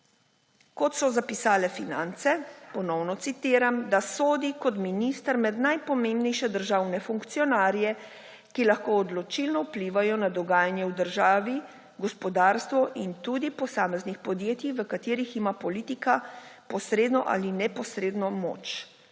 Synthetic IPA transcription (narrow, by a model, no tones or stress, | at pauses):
kɔt̪sɔzapisaːlɛfinant̪sɛpɔnɔwnɔt̪sit̪iːɾamd̪asoːd̪ikɔt̪minist̪əɾmɛd̪najpɔmẽmbnɛjʃɛd̪əɾʒaːwnɛfuŋkt̪sijɔnaːɾjɛ | kilaxkoːd̪lɔt͡ʃilnɔupliːʋajɔnad̪ɔɡaːjanjɛwd̪əɾʒaːʋi | ɡɔspɔd̪aːɾst̪ʋɔʔint̪uːd̪ipɔsaːmɛznixpɔd̪jeːt̪iʋəkat̪eːɾiximapɔlit̪ikapɔsɾeːd̪nɔʔa̰linɛpɔsɾeːd̪nɔmo̰ːt͡ʃ